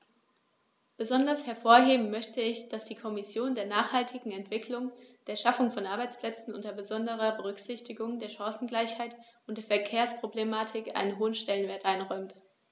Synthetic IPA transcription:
b̥əzɔndɐshɛɐfoːɐɦeːbm̩mœçtəɪçd̥asd̥iːkʰɔmɪsjoːndeːɐnaːχhaltʰɪɡŋ̩ɛntv̥ɪkʰlʊŋd̥eːɐʃafʊŋfɔnʔaɐbaɪt͡spl̥ɛt͡sn̩ʔʊ̰ntɐbəzɔndəʁ̞ɐbəʁ̞ʏkz̥ɪçtɪɡʊŋdeːɐʃaŋsn̩ɡlaɪçhaɪtʊnt̚d̥eːɐfɛɐkʰeːɐspʁ̥oblemaːtʰɪkʔa̰ɪnənɦoːənʃtɛlənveːɐtʔaɪnʁɔʏmt

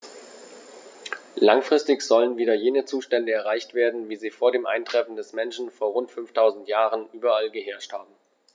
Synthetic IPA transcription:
laŋfʁ̥ɪstɪçz̥ɔlənviːdɐjeːnət͡suːʃtɛndəɛɐʁaɪçtv̥eːɐdn̩viːziːfoːɐdeːmʔa̰ɪntʁ̥ɛfn̩dɛsmɛnʃn̩foːɐʁʊntfʏnftʰaʊzn̩tjaːʁənʔyːbɐalɡəɦɛɐʃthaːb̚m̩

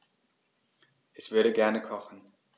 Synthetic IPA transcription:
ʔɛsv̥ʏɐɾəɡɛɐnəkʰɔχn̩

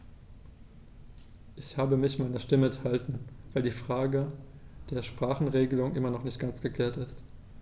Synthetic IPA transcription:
ʔɪçhaːbəmɪçmaɪnɐʃtɪməɛnthaltn̩vaɪldiːfʁ̥aːɡə | d̥eːɐʃpʁ̥aːχn̩ʁeːɡəlʊŋʔɪmɐnɔχnɪçt̚ɡ̥ant͡sɡ̥əkl̥eːɐtɪst

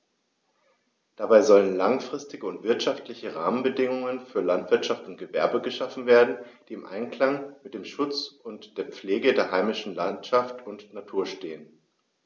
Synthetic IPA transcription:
d̥abaɪzɔlənlaŋfʁ̥ɪstɪɡəʊntv̥ɪɐtʃaftlɪçəʁaːmənbədɪŋʊŋənfyːɐlantv̥ɪɐtʃaftʊnt̚ɡ̥əvɛɐbəɡəʃafn̩veːɐdn̩d̥iːɪmʔa̰ɪnkl̥aŋmɪt̚d̥eːmʃʊt͡sʊntd̥eːɐp͡fleːɡədeːɐɦaɪmɪʃn̩lantʃaftʊntnatʰuːɐʃteːən

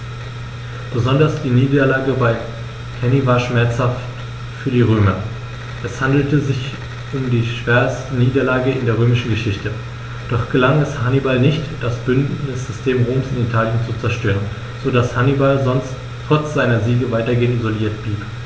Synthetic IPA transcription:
b̥əzɔndɐsd̥iːniːdɐlaːɡəbaɪ | kʰɛnivaːɐʃmɛɐt͡shaft | fyːɐdiːʁ̞øːmɐ | ʔɛshandl̩təzɪç | ʔʊmdiːʃv̥eːɐstəniːdɐlaːɡəɪndeːɐʁ̞øːmɪʃn̩ɡəʃɪçtə | d̥ɔχɡ̥əlaŋɛshanibalnɪçtd̥asb̥ʏndnɪsz̥ɪstʰeːmʁoːmsɪnitʰaːljənt͡sut͡sɛɐʃtøːʁən | zodashanibalzɔnst | ʁ̥ɔt͡sz̥aɪnɐziːɡəvaɪtɐɡeːəntizoliːɐt̚b̥liːp

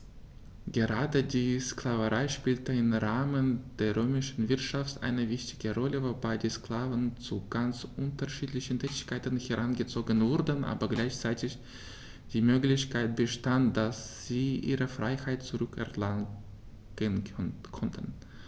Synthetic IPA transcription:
ɡ̥əʁaːdədiːsklavəʁaɪʃpiːltəɪmʁaːmənd̥eːɐʁøːmɪʃn̩vɪɐtʃaftʔa̰ɪnəvɪçtɪ̥ɡ̥əʁɔləvobaɪdiːskl̥aːvənt͡suɡ̥ant͡sʔʊntɐʃiːtlɪçən̩tʰɛːtɪçkʰaɪtn̩hɛʁanɡət͡soːɡənvʊʁdnʔa̰ːbɐɡlaɪçt͡saɪtɪç | d̥iːmøːklɪçkʰaɪt̚b̥əʃtantd̥asz̥iːʔḭːʁəfʁ̥aɪhaɪtt͡suʁʏkɛ̰ɐla | ɡ̥eənkʰɔntʰən

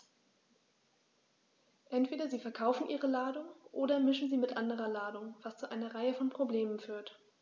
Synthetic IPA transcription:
ʔɛntv̥eːdɐziːfɛɐkʰaʊfn̩ʔiːʁəlaːdʊŋʔoːdɐmɪʃn̩ziːmɪtʔandəʁɐlaːdʊŋv̥ast͡suʔaɪnɐʁaɪəfɔnpʁ̥obleːmənfyːɐt

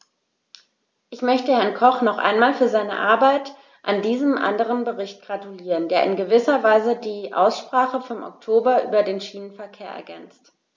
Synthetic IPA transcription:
ʔɪçmœçtəhɛɐnkʰɔχnɔχʔa̰ɪnmaːlfyːɐzaɪnə̰ʔaɐbaɪt | ʔandiːzəmʔa̰ndəʁ̞ənbəʁɪçt̚ɡ̥ʁatuliːʁəndeːɐʔɪnɡəvɪsɐvaɪzədiːʔa̰ʊsʃpʁ̥aːχəfɔmʔɔ̰ktʰoːbɐʔy̰ːbɐdeːnʃiːnənfɛɐkʰeːɐʔɛ̰ɐɡɛnt͡st

